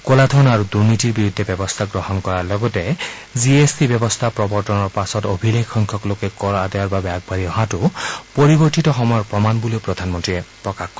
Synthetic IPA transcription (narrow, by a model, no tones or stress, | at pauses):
kolatʰɔnaɹuduɹnitiɹbiɹud̪ʱːɛbɛbɔst̪ʰaɡɹɔhɔnkɔɹaɹlɔɡɔtɛ | ziesdibɛbɔst̪ʰapɹɔbɔɹtɔnɔɹpasɔtobʱilekʰːɔŋkʰɔklokɛkɔɹadɛjɔɹbabɛaɡ̚baɹiɔɦãtʊpoɹiboɹtitɔxɔmɔjɔpɹɔmanbuleʊpɹɔd̪ʱanmɔntɹiɛpɹɔkakkɔ